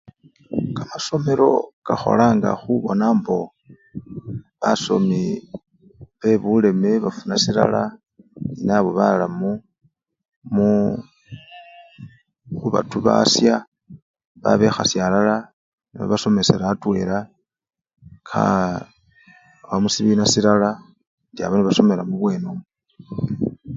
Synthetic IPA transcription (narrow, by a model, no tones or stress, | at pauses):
kamaso̞me̞ɾo̞̰kaxo̞̰laːŋɡa̰xuβo̞naːmbo̞ | βaso̞̰mi | βe̞βule̞me̞βafunasiɾa̰la | ninaβo̞βalamu | mu | xuβa̰tuβa̰sja | βa̰βe̞xasjalala | niβo̰βaso̞me̞se̞ɾatwe̞̰ɾa | kʰa̰ | βamusiβinasiɾala | ndia̰βaniβaso̞melamuβwe̞ːnom